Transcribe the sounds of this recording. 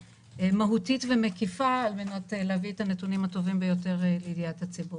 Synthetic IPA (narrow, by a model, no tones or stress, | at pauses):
emaɦutitvemekifaːlmenateleavietanetunimato̞vimbejo̞te̞ʁleidijathat͡sibuʁ